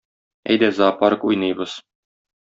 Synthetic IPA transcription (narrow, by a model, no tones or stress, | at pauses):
æ̰jd̪æzɑpɑɾkujnɤ̆jbɤs